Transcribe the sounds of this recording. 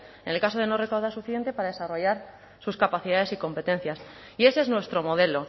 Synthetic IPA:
ene̞lkaso̞ð̞e̞no̞re̞kawð̞aɾsufiðe̞nt̪e̞paɾaðe̞saro̞ʝaɾ | suskapaθiðaðe̞siko̞mpe̞t̪ẽ̞n̟θjas | ie̞sznwe̞st̪ɾo̞mo̞ðe̞lo̞

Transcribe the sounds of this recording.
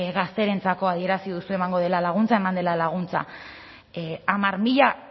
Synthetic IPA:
ɣast̪e̞ɾe̞nt͡sako̞að̞ie̞ɾasiðusue̞maŋɡo̞ð̞e̞lalaɣ̞unt͡saemand̪e̞lalaɣ̞unt͡sa̰ | amaɾmiʎa

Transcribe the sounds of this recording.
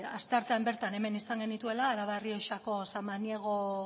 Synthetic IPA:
ast̪e̞aɾt̪e̞ambe̞ɾt̪ane̞me̞nisaŋɡe̞nit̪ue̞laːɾaβario̞ʃako̞samaniaɣ̞o̞

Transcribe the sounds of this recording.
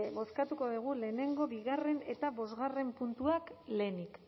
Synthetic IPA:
βo̞skat̪uko̞ðuɣ̞ule̞ːne̞ŋɡo̞βiɣare̞ne̞̰t̪aβo̞zɣare̞mpunt̪uakle̞ːnik

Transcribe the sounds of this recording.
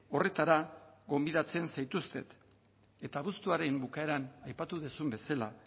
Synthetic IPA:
o̞re̞t̪aɾaɣo̞mbiðat͡se̞nsajt̪ust̪e̞t̪ | e̞t̪aβust̪uaɾe̞mbukae̞ɾanajpat̪uðesumbe̞sala

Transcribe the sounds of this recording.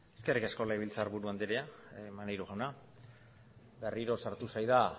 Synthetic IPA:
eske̞rike̞sko̞laiβ̞ilt͡saɾβuɾuand̪eɾeamanejɾuɣawna | be̞riɾo̞saɾt̪usajða

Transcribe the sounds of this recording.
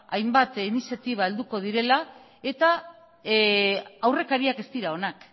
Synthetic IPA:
ajmbat̪inisjat̪iβ̞ae̞ld̪uko̞ð̞iɾe̞la | e̞t̪a | awre̞kaɾiake̞st̪iɾao̞nak

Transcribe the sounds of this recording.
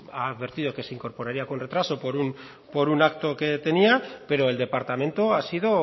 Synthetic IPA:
aːðβe̞ɾt̪ið̞o̞ke̞se̞iŋko̞ɾpo̞ɾaɾiakonre̞t̪ɾaso̞po̞ɾun | po̞ɾunakt̪o̞ke̞t̪e̞niape̞ɾo̞e̞ld̪e̞paɾt̪amẽnt̪o̞asið̞o̞

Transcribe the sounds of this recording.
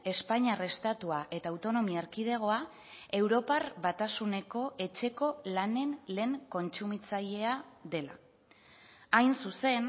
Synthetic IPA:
e̞spaɲare̞st̪at̪uaʔe̞t̪aːwt̪o̞no̞miaaɾkið̞eɣ̞o̞a | e̞wɾo̞parβat̪asune̞ko̞ʔe̞t͡ʃe̞ko̞lane̞nle̞ːŋko̞nt͡sumit͡saʎe̞aðe̞la̰ | ajnsuse̞n

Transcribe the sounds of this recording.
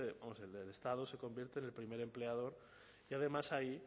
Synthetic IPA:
bamoselelest̪að̞ose̞ko̞mbjeɾt̪eːne̞lpɾime̞ɾe̞mple̞að̞o̞ɾ | iað̞e̞masai

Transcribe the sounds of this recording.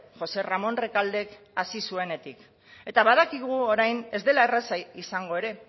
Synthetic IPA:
xo̞se̞ramo̞nrekald̪e̞k | asisue̞ne̞t̪ik | e̞t̪aβaðakiɣuoɾajne̞zd̪e̞laerasaisaŋɡo̞e̞ɾe̞

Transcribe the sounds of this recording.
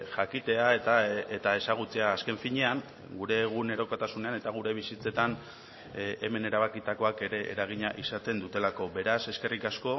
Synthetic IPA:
ʝakit̪e̞aet̪aet̪ae̞saɣ̞ut͡se̞aːske̞ɱfiɲe̞aŋ | ɡuɾe̞ɣune̞ɾo̞kat̪asune̞ane̞t̪aɣ̞uɾe̞β̞isit͡se̞t̪an | ʔeme̞ne̞ɾaβ̞akit̪ako̞ake̞ɾe̞ʔːɾaɣ̞iɲaʔisat̪e̞nd̪ut̪e̞lako̞βe̞ɾase̞ske̞rikasko̞

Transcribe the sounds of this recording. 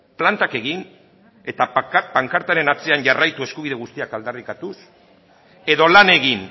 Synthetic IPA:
plant̪ake̞ɣin | e̞t̪apaŋkaɾt̪aɾe̞nat͡se̞aɲɟarajt̪ue̞skuβiðe̞ɣ̞ust̪iakald̪arikat̪us | e̞ðo̞lane̞ɣin

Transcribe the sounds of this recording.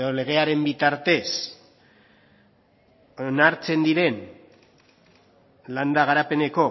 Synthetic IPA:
ðole̞ɣ̞e̞aɾe̞mbit̪aɾt̪e̞s | onaɾt͡se̞nd̪iɾe̞n | land̪aɣaɾape̞ne̞ko̞

